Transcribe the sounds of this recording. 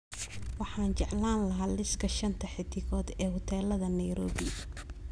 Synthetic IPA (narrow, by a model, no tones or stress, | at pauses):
wɑħɑːnt͡ʃɛʕlaːnlɐɦaːlɪskʰɐʃɐnt̪ʰɐħɪt̪ʰɪɣɔːd̪ɛːhʊt̪ʰɛːlɐðɐnɐjɾɔːβɪ